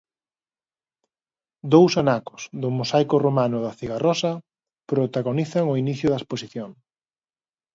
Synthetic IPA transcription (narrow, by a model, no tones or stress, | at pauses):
d̪owsanakʊ̥sðʊmosajkoromanʊðɐθiɣarɔsɐ | pɾot̪aɣoniθɐŋʊiniθjʊðɐesposiθjoŋ